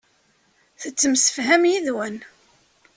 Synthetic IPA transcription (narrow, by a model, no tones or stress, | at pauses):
θət͡sːəmsə̥fɦæmjiðwæn